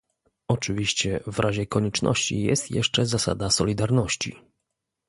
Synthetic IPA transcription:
ɔt͡ʂɘvʲiɕt͡ɕɛvɾʔaʑɛkɔɲɛt͡ʂnɔ̰ɕt͡ɕḭjɛ̰st̪jɛ̰ʂt͡ʂɛzasa̰d̪asɔlʲid̪aɾnɔɕt͡ɕḭ

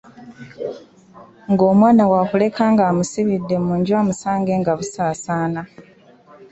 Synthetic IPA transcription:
ŋɡo̞ːmwaːnawakule̞kʰaːŋɡaːmusiβidːe̞muɲɟwaːmusaːŋɡe̞ːŋɡaβusaːsaːna

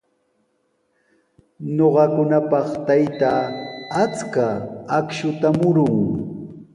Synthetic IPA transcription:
ɲoɢɑkʊnapɑχt̪ajt̪aːat͡skaakʃʊt̪amʊɾʊŋ

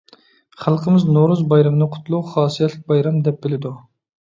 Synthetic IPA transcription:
χælˠqʰəmɪznoɾuzbɑjɾɑmnɨqʰʊ̥t̪lˠuχɑːsijɛt̪lɪk̚ʲbɑjɾɑmd̪ɛp̚bɪlɪd̪u

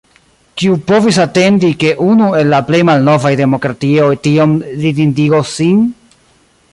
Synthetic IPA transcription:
kiupo̞visate̞ndike̞ʔunue̞lːaplejmalno̞vajde̞mo̞kɾatiojtiomlidindiɡosin

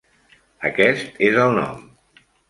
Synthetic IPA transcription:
əkɛst̪ezəlˠnɔ̰m

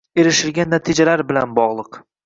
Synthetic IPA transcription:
e̞ɾɪʃɪlɡʲanːat̪ʰɪd͡ʒalaɾbɪlanbɒʁlˠɨq

